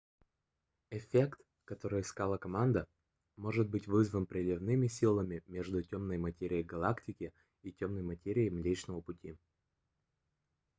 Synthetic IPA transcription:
ɪfʲekt̪ | kɐt̪o̞ɾɨjɪskalˠəkɐmand̪ə | mo̞ʐɨt̪̚bɨtʲvɨzvənpɾʲɪlʲɪvnɨmʲɪsʲilˠəmʲɪmʲeʐd̪ʊtʲomnəjmɐtʲeɾʲɪɪjɡɐlˠaktʲɪkʲɪ | itʲo̞mnəjmɐtʲeɾʲɪɪmlʲet͡ɕnəvəpʊtʲi

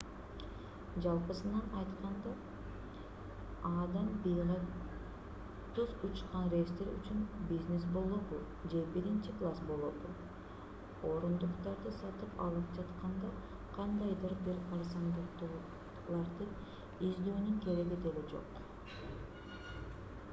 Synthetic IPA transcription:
d͡ʒɑlˠpɯsɯnɑnɑjt̪qɑnd̪ɑ | ɑːd̪ɑmbijʁɑ | t̪uzut͡ʃqɑnrʲest̪eɾy̰t͡ʃynbʲizne̞sbo̞lˠobu | d͡ʒe̞biɾint͡ʃiklˠasbo̞lˠod̪u | o̞ɾund̪uqt̪ɑɾd̪ɯsɑt̪ɯpɑ̰lˠɯpd͡ʒɑt̪qɑnd̪ɑ | qʰɑnd̪ɑjd̪ɯɾb̪iɾɑɾsɑnd̪ut̪u | lˠɑɾd̪ɯ | izd̪øːnyŋke̞ɾe̞ɡid̪eled͡ʒo̞̰q

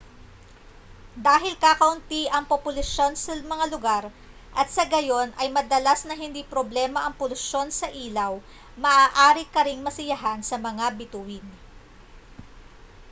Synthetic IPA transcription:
d̪aːɦɪlkaːkɐʔʊnt̪iʔɐŋpopʊlɐʃo̞nsɐmɐŋalʊɡaɾ | ʔɐt̪̚sɐɡɐjo̞nʔɐjmɐd̪ɐlasnɐɦɪnd̪ipɾoblɛːmɐʔɐŋpʊlʊʃo̞nsɐʔiːlɐw | mɐʔaːʔaːɾɪkɐɾɪŋmɐsɪjɐɦansɐmɐŋabɪt̪uwɪn

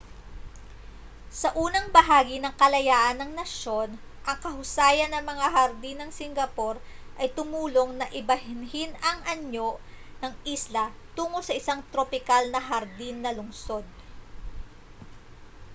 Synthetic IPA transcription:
sɐʔuːnɐŋbɐɦaːɡinɐŋkɐlɐjaːʔɐnɐŋnɐʃo̞n | ʔɐŋkɐhʊsaːjɐnːɐŋmɐŋaɦɐɾd̪inɐŋsɪŋɡɐpo̞ɾ | ʔɐjt̪ʊmuːloŋnɐʔɪbɐhɪnɦɪnɐŋʔɐɲjo̞ | nɐŋʔislɐt̪uːŋosɐʔɪsaŋt̪ɾopɪkalnɐɦɐɾd̪inːɐlʊŋso̞d̪̚

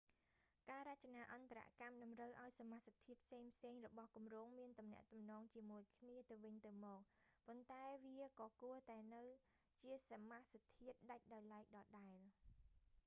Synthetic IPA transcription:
kaːɾac̚t͡ɕanaːʔɑnt̪aɾa̰ʔkamɗɑmrəwʔaɔjsamahsat̪ʰiət̪̚pʰseːŋpʰseːŋrɔɓɑhkumroːŋmiənt̪umnɛ̆əʔt̪umnɔːŋt͡ɕiəmuəjkʰniət̪ɨwʋɨɲt̪ɨwmɔːk̚pont̪aɛʋiəkɑːkuət̪aɛnɨw | t͡ɕiəsamasat̪ʰiət̪̚ɗac̚ɗaɔjlaɛk̚ɗɑːɗaɛl

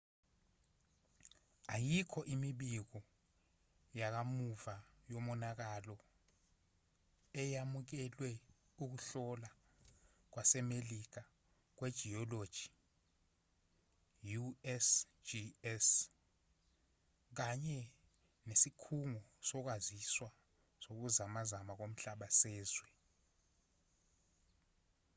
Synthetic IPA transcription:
ajikʰɔʔimiɓik̬ɔ | jak̬amuvajomɔnak̬alɔ | ɛjamuk̬ɛlwɛ | uk̬uɬɔla | k̬wasɛmelik̬a | k̬wed̥ʒ̥ʱiɔlod̥ʒ̥ʱi̥ | juɛs | d͡ʒiɛs | k̬aɲɛ | nesikʰuŋɔsɔk̬waziswa | sok̬uzamazamak̬om̩ɬaɓasɛːzwɛ

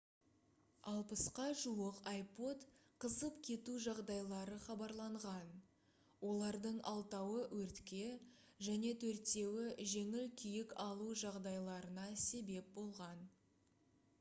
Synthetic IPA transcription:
ɑlˠpəsqɑʒuəqɑjpo̞t̪qʰəzəpkʲʰe̞t̪uʒɑʁd̪ɑjlˠɑɾəχɑbɑɾlˠɑɴʁɑn | wo̞lˠɑɾd̪əɴʔɑlˠt̪ɑwəwʔɵɾt̪kʲe̞ | ʒæne̞t̪ʰɵɾt̪e̞wɪʒe̞ŋɪlkʲʰijɪkɑlˠuʒɑʁd̪ɑjlˠɑɾənɑse̞be̞p̚bo̞lˠʁɑn

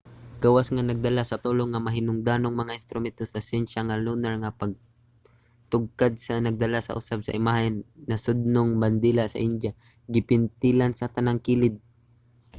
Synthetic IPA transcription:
ɡ̥awasŋanɐɡ̚d̪ɐlasɐt̪uloŋːamɐɦɪnʊŋd̪aːnoŋmɐŋaʔɪnst̪ɾʊmɛnt̪osasɛnʃaŋalunaɹŋapaɡ̚ | t̪ʊɡ̚kad̪̚sɐnɐɡ̚d̪ɐlasɐ̰ʔʊ̰sab̚sɐ̰ʔɪmaɦɪnːɐsʊd̪̚noŋband̪ilaʔsɐ̰ʔɪnd͡ʒja | ɡɪpɪnt̪ɪlansɐt̪anaŋkiːlɪd̪̚

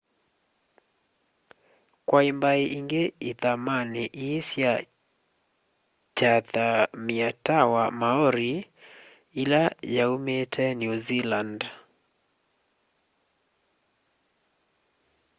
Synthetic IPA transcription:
kwaimbaiʔiŋɡeiðamaneʔisja | t͡ʃatamiatawamaɔɾi | ilajaumetʰɛnjuziland

